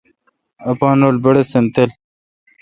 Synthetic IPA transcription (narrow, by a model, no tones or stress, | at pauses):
ɐpaːnoːlbɐɽesent̪el